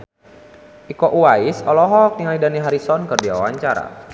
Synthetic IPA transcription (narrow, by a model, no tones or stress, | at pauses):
ʔikɔʔuwaisɔlɔɦɔk̚niŋaidaniɦaɾisɔnkɨrdia̰waɲt͡ʃaɾa̰